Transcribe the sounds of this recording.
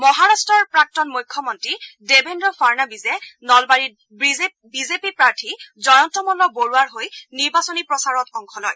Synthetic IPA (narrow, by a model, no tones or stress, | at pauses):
mɔɦaɹastɹɔɹpɹak̚tɔnmujkʰːɔmɔntɹidebendɔfʰaɹnabizɛnɔlbaɹit | bi | bizepipɹaɹtʰizɔjɔntɔmɔlɔboɹuaɹɦojniɹbasonipɹɔsaɹɔtɔŋkʰɔlɔj